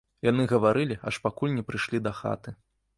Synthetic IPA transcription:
janɨɣɐvaɾɨlʲia̰ʂpakulʲnʲɛpɾɨʂlʲid̪ɐxa̰t̪ɨ

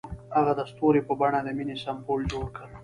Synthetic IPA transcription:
aɣad̪ast̪oɾepəbaɳad̪əminisambold͡ʒoɽkəl

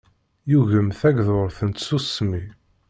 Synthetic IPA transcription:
juʝəmθæɡðoɾˤθənt̪susmi

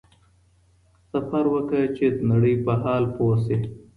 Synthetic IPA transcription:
sɐfɐɾwəkət͡ʃed̪naɽəjpɐɦaːlpoːse

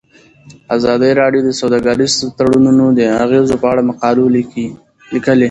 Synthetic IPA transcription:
azɑd̪əjɾɑɖjod̪əsawd̪ɑɡɑɾizt̪aɽununod̪əaɣezopəaɽamaqɑlolii | likəle

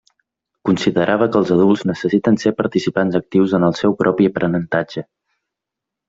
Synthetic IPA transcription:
kunsiðəɾʔaβ̞əkəːlˠzəðulˠznəsəsit̪ənsepəɾt̪isipanzək̚t̪iwzənəlˠsɛwpɾʔɔpiəpɾʔənənt̪ad͡ʒə

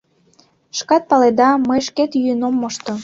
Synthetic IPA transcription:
ʃkɑt̪̚pɑled̪ɑməjʃket̪jyənomːoʃt̪o

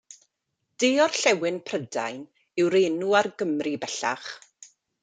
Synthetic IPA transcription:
d̥ɪːɔrɬɛwɪnpʰrəda̰jn | ɪwɾeːnuarɡəmribɛɬa̰χ

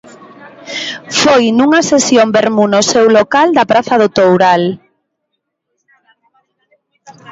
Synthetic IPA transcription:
fojnuŋɐsesjombeɾmunosewlokald̪ɐpɾaθɐðot̪owɾal

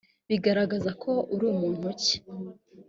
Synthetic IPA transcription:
βiɡaɾaɡazakʰo̞ʔuɾuːmuːn̥uci̥

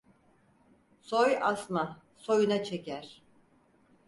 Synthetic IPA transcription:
sojasma | so̞junat͡ʃʰecæɾ̥

